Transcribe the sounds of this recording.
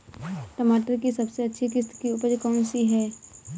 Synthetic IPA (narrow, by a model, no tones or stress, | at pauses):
ʈəmaːʈəɾkisɐbseɐtːʃʰikɪst̪kiʊpəɾkəːnsiɦɛː